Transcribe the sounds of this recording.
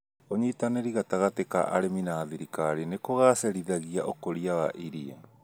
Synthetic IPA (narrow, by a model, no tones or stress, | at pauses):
oɲitaneɾiɣataɣateka̰ʔa̰ɾeminaːðiɾikaɾinekoɣasɛɾiðaɣiaʔokoɾiawaʔiɾia